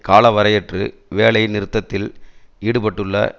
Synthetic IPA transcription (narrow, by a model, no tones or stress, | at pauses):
kaːlɐʋɐɾɐjɛʈrɯ̰ | ʋeːɭɐjnɪɾɯt̪ːɐt̪ːɪliːɽɯpɐʈːɯɭːɐ̰